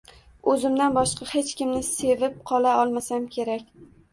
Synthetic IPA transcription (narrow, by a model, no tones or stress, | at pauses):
ɵzɪmd̪anbɒʃqɑhe̞t͡ʃkʲɪmnɪse̞vɪp̚qʰɒlˠaɒlˠmasamkʲʰe̞ɾakʲ